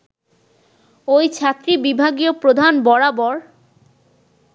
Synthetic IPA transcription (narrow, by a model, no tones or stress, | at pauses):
ojt͡ɕʰat̪ːɾibibʱaɡiopɾod̪ʱanbɔɽabɔɾ